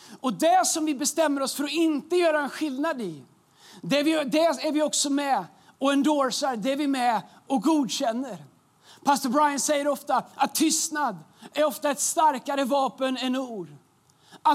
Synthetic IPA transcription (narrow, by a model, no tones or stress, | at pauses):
ɔd̪ɛsɔmvɪbɛst̪ɛmːəɾɔsfœɾɔɪnt̪əjœːɾaɛnɧɪlnad̪ɪ | d̪ɛæɾvɪd̪ɛæɾvɪɔksɔmɛ | ɔɛnd̪oːɾsaɾd̪ɛæɾvɪmɛ | ɔk̚ɡuːd̪ɕɛnːəɾ | pʰast̪ɔbɾajənsɛjːəɾɔft̪aʔat̪ʰːʏst̪nad̪æɾɔft̪aɛt̪st̪aɾkaɾəvɑːpənɛnuːɖ | a